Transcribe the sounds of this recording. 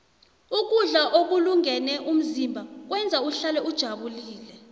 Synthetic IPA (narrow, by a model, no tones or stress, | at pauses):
uk̬uɮaʔok̬uluŋɛnɛʔum̩zimbʱak̬wɛnd͡zʱauɬalɛud̥ʒ̥ʱaɓuliːlɛ